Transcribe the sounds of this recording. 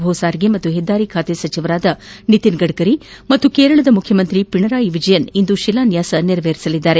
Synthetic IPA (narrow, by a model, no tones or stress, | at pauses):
bʱosaːɾiɡemɐt̪ːuɦed̪ːaːɾikʰaːt̪esɐt͡ʃiʋɐɾaːd̪ɐnit̪inɡɐɽkɐɾimɐt̪ːukeːɾɐɭɐd̪ɐmukʰjɐmɐnt̪ɾipiɳɐɾaːjiʋid͡ʒɐjɐnind̪uʃilaːnjaːsɐniɾɐʋeːɾisɐlid̪ːaːɾe̞